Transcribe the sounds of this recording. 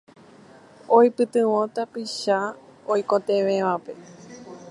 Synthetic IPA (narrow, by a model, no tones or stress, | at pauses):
ojpɨt̪ɨ̃wõt̪apiʃaojkõt̪ẽʋẽʋape̞